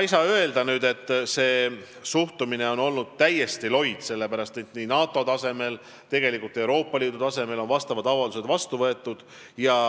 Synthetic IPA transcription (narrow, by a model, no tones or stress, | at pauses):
ɑisɑø̞e̞ld̪̥ɑnyːd̪e̞t̪ːˑse̞ː | suht̪umine̞o̞no̞lnud̪̥̚t̪æje̞st̪ilo̞jd̪̥se̞lːe̞pæɾɑst̪et̪ninɑːt̪ːˑo̞t̪ɑse̞me̞l | t̪e̞ɡ̥e̞likˑult̪ːˑe̞wɾo̞ːpˑːɑliːd̪ut̪ɑse̞me̞lo̞nvɑst̪ɑvɑd̪ɑvɑluse̞d̪vɑst̪uvɤe̞t̪ːˑud̪̥ | jɑ